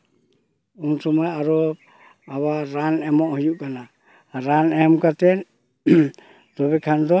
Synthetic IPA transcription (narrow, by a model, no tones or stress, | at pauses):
unsɔmaaɾɔ | aβaɾanɛmɔhijuʔkana | ɾanɛmkat̪ɛn | d̪ɔβɛkʰand̪ɔ